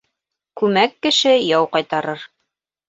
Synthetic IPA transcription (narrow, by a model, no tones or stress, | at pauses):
kʉmækːɘ̆ʃɘjɑwqɑjt̪ɑɾɤɾ